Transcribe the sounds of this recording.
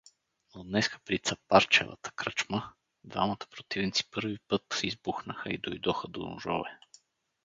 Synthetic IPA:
od̪nɛskə̥pɾit̪sɐpaɾt͡ʃɛ̰və̰t̪ə̥kɾət͡ʃmə | d̪va̰mɐt̪ə̥pɾot̪ivnit̪si̥pɤɾvipɤt̪izbuxnəxəid̪ojd̪ɔxəd̪o̰nṵʒɔ̰vɛ

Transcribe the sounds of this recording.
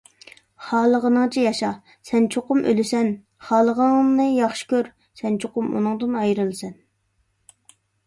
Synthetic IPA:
χɑːlˠəʁənɨŋt͡ʃʰijɑʃɑ | sɛnt͡ʃʰoqʊmʔø̰lɪsɛn | χɑːlˠəʁənɨjɑχʃi̥kʲøɾ | sɛnt͡ʃʰoqʊmṵnɨŋd̪ɨnɑjɾɨlˠɨsɛn

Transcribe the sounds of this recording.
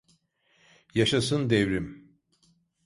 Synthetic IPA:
jaʃasɯnd̪evɾim

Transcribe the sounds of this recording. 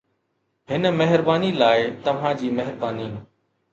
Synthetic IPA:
ɦɪnəmɛɦɪɾbaːniːlaːɪt̪ɐʋ̤ãːd͡ʑiːmɛɦɪɾbaːniː

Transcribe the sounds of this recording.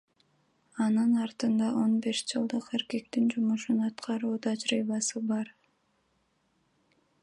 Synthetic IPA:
ɑnɯnɑɾt̪ɯnd̪ɑʔo̞nbeʃd͡ʒɯlˠd̪ɯqe̞ɾke̞k̚t̪ind͡ʒumuʃunɑt̪qʰɑɾuːt̪ʰɑd͡ʒɾiːβɑsɯbɑɾ

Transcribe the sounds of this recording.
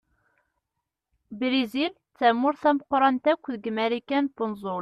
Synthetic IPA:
bɾizil | t͡sːæmːʊɾθæməqɾˤɑnt̪ækʷːðəɡmæɾikænbʊnzʊl

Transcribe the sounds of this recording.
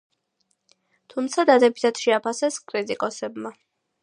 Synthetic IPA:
t̪ʰumt̪sʰad̪ad̪ɛbit̪ʰat̪ʃɛapʰasɛskʼɾit̪ʼikʼɔsɛbma

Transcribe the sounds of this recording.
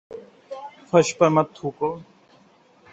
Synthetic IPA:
fʰɐʃpɐɾmɐt̪ʰːuːko

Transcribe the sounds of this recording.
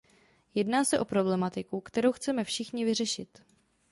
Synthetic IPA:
jɛdnaːsɛʔo̞pɾo̞blɛmat̪ɪkukt̪ɛɾowxt͡sɛmɛfʃɪxɲɪvɪrɛʃɪt̪

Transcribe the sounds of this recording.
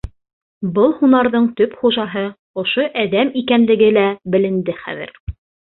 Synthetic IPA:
bɤlˠhunɑɾðɤɴt̪ɵpχuʒɑɦɤ | ŏʃoʔæðæmikænlɘ̆ɡɘlæbɘ̆lɘ̆nd̪ɘχæ̰ðɘ̰ɾ

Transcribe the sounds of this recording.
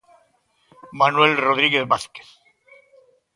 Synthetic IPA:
manwelroð̞ɾiɣeθβaθke̥θ

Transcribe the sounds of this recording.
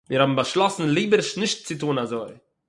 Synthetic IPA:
miːɾhabm̩baʃlˠɔsn̩lˠiːbəɾʃnɪʃt̚t͡sɪtuːnazoɪ

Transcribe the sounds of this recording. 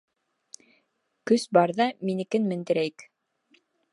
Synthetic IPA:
kɵsbɑɾðɑminɘ̆kɘnmɘ̆nd̪ɘ̆ɾæjk

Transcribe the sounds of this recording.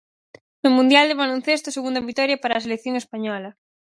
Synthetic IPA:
nomũnd̪jald̪ɪβalon̟θest̪oseɣund̪ɐβik̚t̪ɔɾjɐpaɾaːselekθjoŋespaɲɔlɐ

